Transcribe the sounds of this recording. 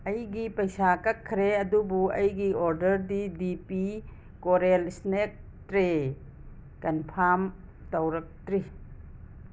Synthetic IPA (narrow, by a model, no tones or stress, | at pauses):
ɐjɡipɐjsakɐkʰːɾeɐdubuɐjɡioɾdɐɾdidipi | koɾelsnek̚ | tɾe | kɐnpʰam | tɐwɾɐk̚tɾi